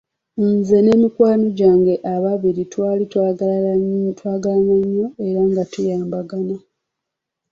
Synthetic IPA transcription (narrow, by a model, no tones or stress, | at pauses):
nze̞ne̞mikwaːnoɟaːŋɡe̞ʔaβaβiɾitwaːlitwaː | twaːɡalanaɲːo̞e̞ɾaŋɡatujaːmbaɡana